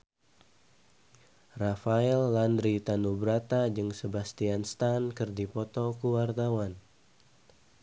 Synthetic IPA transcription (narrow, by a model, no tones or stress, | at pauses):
rafaɛlːand̪ɾit̪anubɾat̪ad͡ʒɨŋsəbast̪ianst̪ankɨrdipɔt̪ɔkuwart̪awan